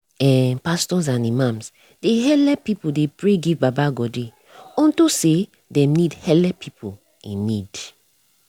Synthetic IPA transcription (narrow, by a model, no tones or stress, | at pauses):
ɛpastɔzãnimãms | d̥eɦɛlɛpipodepɹeɡivbabaɡɔdi | ɔ̃ntose | dɛ̃nidhɛlɛpʰipʰo | ĩnːid̥